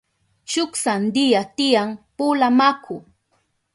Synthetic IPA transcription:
ʃʊksand̪ɪjat̪ɪjaŋpulamakʊ

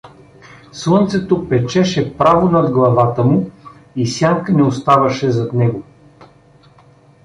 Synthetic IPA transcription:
slˠɤnt̪sɛt̪opɛt͡ʃɛʃɛpɾavonɐd̪ɡlˠɐvat̪əmʊ | isjaŋkənɛost̪avɐʃɛzɐt̪nɛɡo

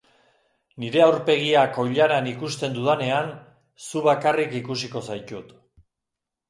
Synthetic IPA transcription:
niɾe̞awɾpe̞ɣiako̞jʎaɾanikust̪e̞nd̪uðane̞an | suβakarikikusiko̞sajt̪ut̪

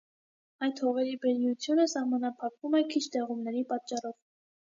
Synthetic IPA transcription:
ɑjt̪hɔʁɛɾibəɾjut͡sʰjunəsɑhmɑnɑpʰɑkvumɛkʰit͡ʃʰt̪ɛʁumnɛɾipɑt̪t͡ʃːɑrɔv

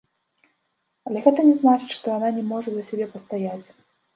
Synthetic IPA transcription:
ɐlʲɛɣɛt̪ɐnʲɛznat͡ʂɨ̥t͡ɕʲʂt̪ɔjananʲɛmɔʐɐd̪ɐsʲabʲɛpɐst̪ajat͡sʲ

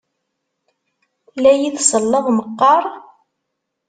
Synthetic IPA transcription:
læjiðsˤəlːɑðˤməqːɑɾˤ

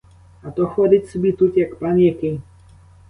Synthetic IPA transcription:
at̪ɔxɔd̪itsbit̪ut̪jakpanjɛki

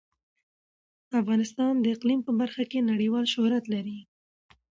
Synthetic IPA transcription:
afɣɑnɪst̪ɑnd̪əɪqlimpəbaɾxakenaɽiwɑlʃʊhɾat̪laɾi

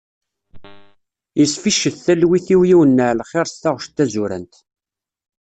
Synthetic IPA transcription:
jəsfiʃːəθθælwiθiwjiwənːəʕlχeɾˤsθaʁʃt̪ːæzʊɾə̰nt̪

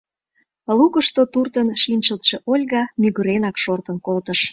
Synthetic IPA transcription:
lukəʃt̪ot̪urt̪ənʃinʲt͡ɕəlt̪ʃeʔolʲɣɑmyɣyɾenɑkʃort̪ənkolt̪əʃ

